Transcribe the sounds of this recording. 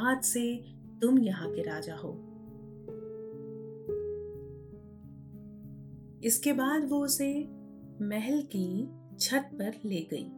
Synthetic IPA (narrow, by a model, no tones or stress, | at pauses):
aːd̪se | t̪ʊmjɐɦãkeɾaːd͡ʒaɦo̰ː | ɪskebaːd̪ʋoʊse | mɛɦɛlki | t͡ʃʰɐt̪̚pɐɾleːɡɐḭː